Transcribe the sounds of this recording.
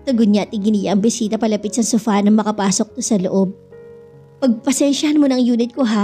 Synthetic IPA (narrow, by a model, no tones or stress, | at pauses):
t̪ɐɡʊd̪ɲat̪ɪɡɪnijɐʔɐŋbɪsiːt̪ɐpɐlɐpɪt̪̚sɐŋsʊfanɐŋmɐkɐpaːsok̚t̪osɐlo̰ʔob̚ | pɐɡ̚pɐsɛnʃɐhɐnmonɐŋjuːnɪt̪̚koɦa